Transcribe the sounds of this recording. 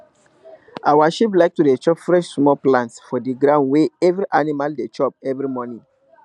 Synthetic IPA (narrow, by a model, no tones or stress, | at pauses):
ʔawaʃip̬laɪk̚tudet͡ʃɔpfɹɛʃsmɔlplãntsfɔdiɡɾãʊ̃nweɛvɾiʔanimaldet͡ʃɔp̚ɛvɾimɔnĩŋ